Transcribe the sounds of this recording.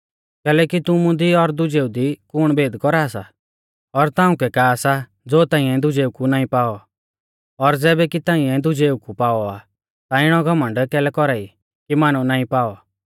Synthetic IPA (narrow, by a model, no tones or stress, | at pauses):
kɛːlɛːkit̪ʊmũd̪iɔɾd̪ʊd͡ʒeːud̪ikʊɽ̃beːd̪kɔɾaːsa̰ | ɔɾt̪ãːʊ̃kɛkaːsa | d͡zoːt̪ãːĩɛd̪ʊd͡ʒeːukunaːĩpaːɔ | ɔɾd͡zɛːbɛkit̪ãːĩɛ̃d̪ʊd͡ʒeːukupaːɔa | t̪aɪɽ̃ɔɡʱɐmə̃ɳɖkɛːlɛkɔɾaːi | kimaːñũnaːĩpaːɔ